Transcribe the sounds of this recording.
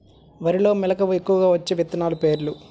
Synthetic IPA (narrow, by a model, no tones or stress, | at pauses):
ʋɐɾilo̞ːmɛlɐkɐʋekːuʋɐɡaːʋɐt͡ʃːeːʋit̪ːɐnaːlupe̞ːɾlu